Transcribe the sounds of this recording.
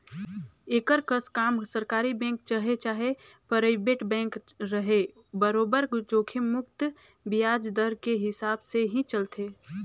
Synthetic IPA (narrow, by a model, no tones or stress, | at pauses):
eːkəɾkəskaːmsəɾkaːɾibɛ̃ːŋk̚t͡ʃəɦet͡ʃaːɦepəɾəɪbeʈbɛ̃ːŋkɾəɦe | bəɾoːbəɾd͡ʒoːkʰemʊkt̪ | bijaːd͡ʒd̪əɾkeɦɪsaːbseɦĩt͡ʃəlt̪ʰeː